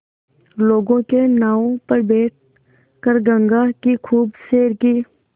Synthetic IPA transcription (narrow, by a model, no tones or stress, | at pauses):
loːɡõkenaːõpɐɾbeːʈ̚ʰ | kəɾɡə̃ŋɡakikʰuːbseːɾkiː